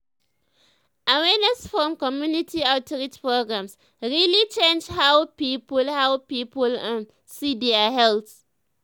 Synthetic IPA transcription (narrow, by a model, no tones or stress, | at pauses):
ʔawɛnɛsfɹɔ̃mkɔmjunitʰiaʊtɔɹitpɹoɡɹãms | ɹilit͡ʃẽnd͡ʒhawpipəlhaʊpiːpəlãn | sidiaɦɛlt